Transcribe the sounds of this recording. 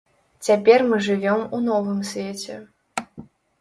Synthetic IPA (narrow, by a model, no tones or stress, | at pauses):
t͡sʲapʲɛrmɨʐɨvʲɔmunɔvɨmsʲvʲet͡sʲɛ